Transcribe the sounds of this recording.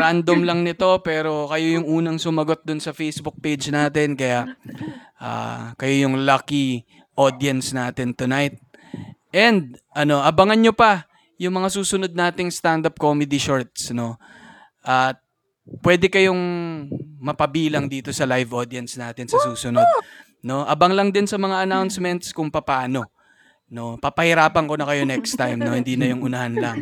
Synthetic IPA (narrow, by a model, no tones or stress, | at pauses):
ɾand̪omlɐŋnɪt̪o̞pɛːɾo̞kɐjo̞jʊŋʔuːnɐŋsʊmɐɡo̞t̪̚d̪ʊnsɐfejsbʊk̚pejd͡ʒnaːt̪ɛnkɐjaʔʔa̰ːkɐjo̞jʊŋlaki | ʔo̞d̪jɐnsnaːt̪ɪnt̪ʊnajt̪̚ | ʔɛnd̪̚ʔɐno̞ʔɐbɐŋɐnɲopɐ | jʊŋmɐŋasuːsʊno̞d̪̚naːt̪ɪŋst̪and̪ap̚komɛd̪iʃoɹt̪̚sno̞ | ʔɐt̪̚ | pwɛd̪ɛkɐjo̞ŋ | mɐpɐbiːlɐŋd̪iːt̪o̞sɐlajvʔod̪iɐnsnaːt̪ɪnsɐsuːsʊno̞d̪̚ | no̞ʔɐbɐŋlɐŋd̪ɪnsɐmɐŋaʔɐnawnsmɛnt̪skʊŋpɐpaːno̞ | no̞pɐpɐhɪɾaːpɐŋko̞nɐkɐjo̞nɛkst̪ajmno̞hɪnd̪iːnɐjʊŋʊnɐhanlɐŋ